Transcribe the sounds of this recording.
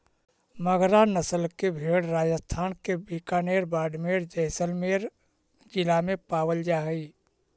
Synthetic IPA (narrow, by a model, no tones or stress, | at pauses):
məɡʱɾanəsəlkebʱeːɽɾaːd͡ʒəst̪ʰaːnkebiːkaːneːɾbaːɖmeːɾd͡ʒɛɦsəlmeːɾ | d͡ʒɪlamẽpaːwəld͡ʒaːɦiː